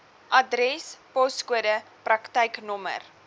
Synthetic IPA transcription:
ʔɐdɾɛspɔskuədəprɐktəjknɔmə̰r

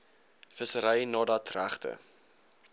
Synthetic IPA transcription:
fəsəɾəjnɑːdɐtræχtə̰

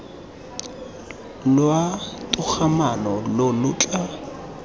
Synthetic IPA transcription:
lwatʼʊk͡xʰamanɔlolʊt͡ɬʼa

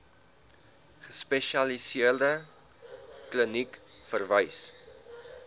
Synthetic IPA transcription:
χəspɛʃɐlisiərdə | klənik | fərvəjs

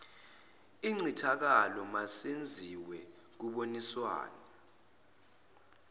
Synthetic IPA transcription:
iŋ͡ǀitʰak̬alɔmasend͡zʱiwɛ | k̬uɓoniswa̰ːna

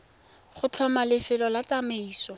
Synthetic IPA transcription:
χʊt͡ɬʰɔmalɪfɪlɔlat͡sameiːsɔ

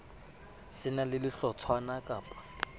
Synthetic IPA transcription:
sɪnalɪlɪɬɔt͡sʰwanakʼaːpʼḁ

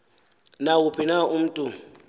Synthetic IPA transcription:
naupʰinaum̩tʼu

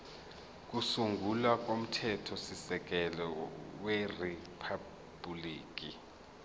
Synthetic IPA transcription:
k̬usuŋɡʱulak̬ʼom̩tʰɛtʰɔsisɛk̬ɛlɔweripʰa | buliːk̬i

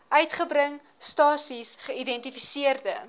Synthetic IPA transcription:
ʔœɥtχəbrəŋ | stɑːsisχəidɛntifisiərdə

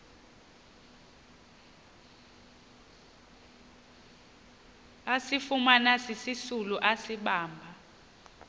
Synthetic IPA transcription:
asifumanasisisuluʔasiɓaːmbʱa

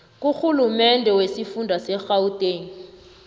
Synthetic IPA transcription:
kʼuxulumɛndʱɛwesifundʱwasɛxautʼeːŋ̩

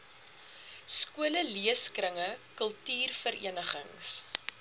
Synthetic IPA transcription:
skuələliəskrəŋəkəlˠtyːrfəɾḭənəχə̰ŋs

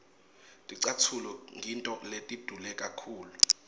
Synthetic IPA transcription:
tʼiǀatʰulɔŋʱintʼɔletʼid̥ʱulɛkʼakʰuːlu

